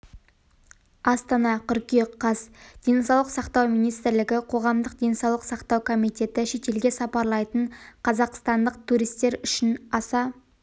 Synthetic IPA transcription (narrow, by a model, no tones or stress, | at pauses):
ɑst̪ɑnɑqʰʏɾkʲiqʰːɑsd̪̥e̞nsɑwlˠəqsɑqt̪ɑwmijnijst̪ɪɾlɪɡʲɪqʰo̞ʁɑmd̪əq̚d̪e̞nsɑwlˠəqsɑqt̪ɑwkʰo̞mijt̪e̞t̪ɪʃe̞t̪e̞lɡʲe̞sɑpɑɾlˠɑjt̪əɴqʰɑzɑqst̪ɑnd̪əq̚t̪ʰuɾijst̪e̞ɾʏʃɪnɑsɑ